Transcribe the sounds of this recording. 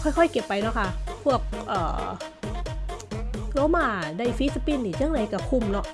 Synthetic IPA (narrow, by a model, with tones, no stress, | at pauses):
ɔ˧˩˨jkʰɔ˧˩˨jke˨˩pːa˧jnɔ˧˦˥kʰa˧˩pʰu˥˩ək̚ʔɤː˨˩ | loː˧˥˦maː˧˩da˧˩jfi˦˥sa˧pi˧˨nːiː˧˩t͡ɕa˧˥˨ŋnda˨˧˩jka˧˩kʰu˧˩˨mnɔ˧˥ʔ